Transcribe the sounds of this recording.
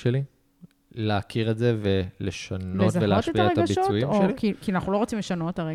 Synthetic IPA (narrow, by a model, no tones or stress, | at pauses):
ʃeli | leakʰiʁetzeveleʃanetzaveleaoʃtetiaaʁetaɡabiʃot͡sujimoelikikianaχnulo̞ʁot͡simleʃano̞tet̪aʁe